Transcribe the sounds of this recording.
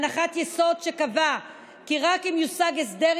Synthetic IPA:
naχat̪jeso̞d̪ʃekava | kiʁakimjusaɡesd̪eʁ

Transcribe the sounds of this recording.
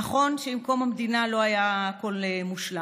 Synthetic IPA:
aχo̞nʃeimko̞mamdinalo̞ajaːko̞lemuʃla

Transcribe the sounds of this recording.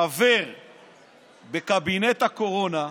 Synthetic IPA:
aveʁ | be̞kabinet̪hako̞ʁo̞na

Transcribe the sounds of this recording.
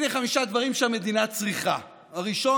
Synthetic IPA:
neχamiʃad̪vaʁimʃeame̞d̪inat͡sʁiχa̰ | aʁiʃo̞

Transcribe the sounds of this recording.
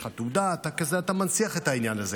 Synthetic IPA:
χat̪ud̪at̪akezeat̪amansiaχet̪ainjanaze

